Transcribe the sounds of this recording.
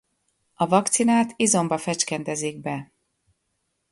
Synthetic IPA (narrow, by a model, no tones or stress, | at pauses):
ɒvɒkt̪sinaːt̪izo̞mbɒfɛt͡ʃkɛnt̪ɛziɡ̚bɛ